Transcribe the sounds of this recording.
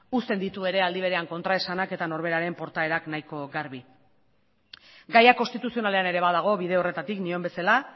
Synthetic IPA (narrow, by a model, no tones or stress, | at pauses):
ust̪e̞nd̪it̪ue̞ɾe̞ald̪iβ̞e̞ɾe̞aŋko̞nt̪ɾae̞sanake̞t̪ano̞ɾβe̞ɾaɾe̞mpo̞ɾt̪ae̞ɾaknajko̞ɡaɾβi | ɡajako̞nst̪it̪usio̞nale̞ane̞ɾe̞βaðaɣ̞o̞βiðe̞o̞re̞t̪at̪iknio̞mbe̞sala